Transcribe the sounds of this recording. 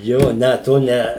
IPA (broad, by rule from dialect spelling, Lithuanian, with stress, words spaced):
ˈjoː ˈnʲɛ toː ˈnʲɛ